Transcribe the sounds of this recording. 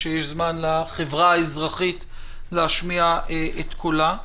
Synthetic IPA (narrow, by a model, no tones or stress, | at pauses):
ʃejeʃzmanlaχevʁaaezʁaχit̪ | leaʃmiaeʔet̪kʰola